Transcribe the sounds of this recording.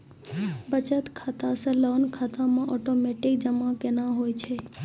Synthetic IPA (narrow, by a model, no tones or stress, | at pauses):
bət͡ʃət̪kʰat̪asə̃ləːnkʰaːt̪amãʔɔʈomeʈɪk̚d͡ʒəmakenaɦojt͡ʃʰe